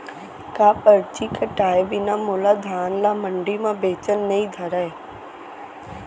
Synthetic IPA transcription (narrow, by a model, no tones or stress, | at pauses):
kaːpəɾt͡ʃikʰəʈaːebinamoːlad̪ʱaːnlaməɳɖimãbeːt͡ʃənːɐĩd̪ʱəɾae